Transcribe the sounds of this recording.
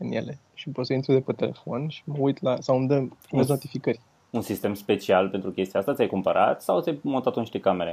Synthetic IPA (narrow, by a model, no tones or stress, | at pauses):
ɨnje̞̰le̞ | ʃipo̞t̪səint̪ɾud̪epet̪e̞le̞̰fo̞nʃi̥məujt̪lasawmd̪əumezno̞t̪ifikərʲ | unsist̪e̞mspe̞t͡ʃialpent̪ɾukʲe̞st̪iaast̪at̪sʲajkumpəɾʔa̰t̪sawt̪sʲajmo̞nt̪at̪oniʃt̪ekame̞ɾe